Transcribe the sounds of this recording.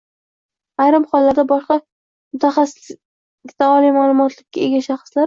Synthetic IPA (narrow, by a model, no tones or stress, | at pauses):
ajɾɪmχɒlˠːaɾd̪abɒʃqɑ | mʊt̪ʰaχasɪɪ | ɪkʲt̪aɒlijmalˠʊmɒt̪ʰlɪkʲʰːae̞ɡʲaʃaχɨslaɾ